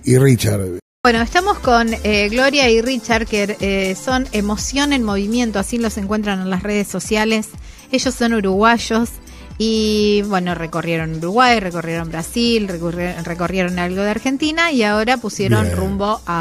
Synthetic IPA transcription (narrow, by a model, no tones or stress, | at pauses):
irit͡ʃa̰ɾbwe̞no̞est̪amo̞sko̞neɣlo̞ɾjairit͡ʃaɾkeɾeso̞nemo̞sjo̞nenmo̞β̞imje̞nt̪oasilo̞se̞ŋkwe̞nt̪ɾane̞nlasre̞ð̞esːo̞sjale̞s | e̞ʒo̞sːo̞nuɾuɣwaʒo̞s | iβwe̞no̞re̞ko̞rjeɾo̞nuɾuɣwajre̞korje̞ɾo̞mbɾasilreko̞rje̞ɾo̞nalɣo̞ð̞eaɾxe̞nt̪inaiao̞ɾapusje̞ɾonrumbo̞ʔa